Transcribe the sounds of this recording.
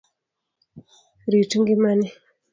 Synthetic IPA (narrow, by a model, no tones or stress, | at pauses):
ɾituŋɡimani